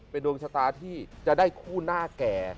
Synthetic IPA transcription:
pe˧ndo˧ŋt͡ɕʰa˧t̪aː˧t̪ʰiː˥˩t͡ɕa˨˩ʔdaː˥˩jkʰuː˥˩naː˥˩kɛː˨˩

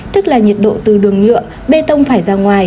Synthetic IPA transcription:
t̪ɨ˦˥k̚laː˨˩ɲi˨˩t̚ɗo̰˧˨t̪ɨ˨˩ɗɨ˨˩əŋɲɨ̰˧˨ə | ɓe˧t̪ə˧wŋ͡mfaː˧˩jzaː˧ŋwaː˨˩j

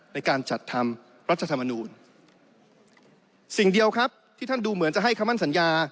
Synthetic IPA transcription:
na˧jkaː˧nt͡ɕa˨˩t̪ʰːa˧m | ɾa˦˥t̪̚ʰːa˧t̪ʰmːa˧nuː˧n | si˨˩ŋdi˧əwkʰɾa˦˥p̚t̪ʰiː˥˩a˥˩nduː˧mɯ˩˦nt͡ɕa˨˩ɦa˥˩jkʰa˧˦mːa˥˩nsa˩˦njaː˧

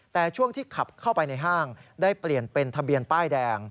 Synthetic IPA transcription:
t̪ɛː˨˩t͡ɕʰu˥˩əŋt̪ʰiː˥˩kʰa˨˩p̚kʰa˥˩wpa˧jna˧jɦaː˥˩ŋdaː˥˩jpli˨˩ənpe˧nt̪ʰa˧bi˧ənpaː˥˩jdɛː˧ŋ

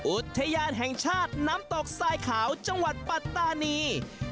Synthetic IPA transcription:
ʔu˨˩t̪ʰːa˧jaː˧nɦɛ˨˩ŋt͡ɕʰaː˥˩t̪̚na˦˥mt̪ɔː˨˩k̚saː˧jkʰaː˩˦wt͡ɕa˧ŋwa˨˩t̪̚pa˨˧t̪ːaː˧niː˧

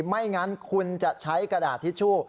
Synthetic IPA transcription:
ma˥˩jŋa˦˥nkʰu˧nt͡ɕa˨˩ʔt͡ɕʰa˦˥jkɾa˧daː˨˩t̪ʰːiː˥˩t͡ɕʰu˥˩ə

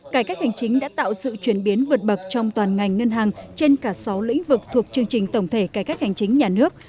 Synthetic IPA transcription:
kaː˧˩jkaː˦˥k̚ha˨˩jŋ̟t͡ɕï˨˦ŋ̟ɗa̰ː˧˥t̪a̰ː˧˨wsɨ̰˧˨t͡ɕwi˨˧˩ənɓi˨˦ənvɨ˨˩ət̚ɓə˨˩k̚t͡ɕɔ˧wŋ͡mt̪waː˨˩nŋa˨˩jŋ̟ŋə˧nɦaː˨˩ŋt͡ɕe˧nkaː˧˩sa˨˦wlḭ̈˧˥ŋ̟vɨ˨˩k̚t̪ʰu˨˩ək̚t͡ɕɨ˧əŋt͡ɕï˨˩ŋ̟t̪ə˧˩wŋ͡mt̪ʰe˧˩kaː˧˩kaː˦˥k̚ha˨˩jŋ̟t͡ɕï˨˦ŋ̟ɲaː˨˩nɨ˦˥ək̚

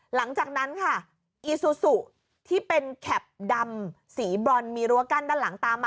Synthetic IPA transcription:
la˩˦ŋt͡ɕaː˨˩k̚na˦˥nkʰa˥˩ | ʔiː˧su˨˩su˨˩ | t̪ʰiː˥˩pe˧nkʰɛ˨˩p̚da˧m | siː˩˦bɔ˧nmiː˧ɾu˧˥˧ka˧˥˩ndaː˥˩la˩˦ŋt̪aː˧mːaː˧

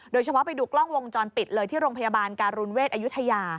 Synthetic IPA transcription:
doː˧jt͡ɕʰa˧pʰɔ˦˥pa˧jduː˨˩klɔ˥˩ŋwo˧ŋt͡ɕɔː˧npi˨˩t̪̚lɤː˧jt̪ʰiː˥˩ɾoː˧ŋpʰa˧ja˧baː˧nkaː˧nɾu˧nweː˥˩t̪̚ʔa˧ju˦˥t̪ʰa˧jaː˧

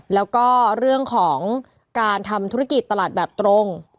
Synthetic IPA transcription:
lɛː˦˥wkɔː˥˩ɾɯ˥˩əŋkʰɔː˩˦ŋ | kaː˧nt̪ʰa˧mt̪ʰu˦˥a˥ki˨˩t̪ːa˧laː˨˩t̪̚bɛː˨˩p̚t̪ɾo˧ŋ

